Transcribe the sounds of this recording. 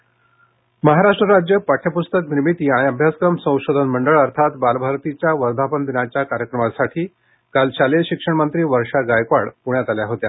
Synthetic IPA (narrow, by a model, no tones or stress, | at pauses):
məɦaɾaʂʈɾəɾad͡ʑjəpaʈʰjəpust̪əkniɾmit̪iːaɽ̃iəbʱjaskɾəmsə̃w̃ɕod̪ʱənməɳɖəɭəɾt̪ʰat̪balbʱaɾt̪it͡ɕjaʋəɾd̪ʱapənd̪inat͡ɕjakaɾjəkɾəmasaʈʰiː | kalt͡ɕaleɕikʂəɳmənt̪ɾiːʋəɾʂaɡajkʋaɽpuɳjat̪aljaɦot̪ja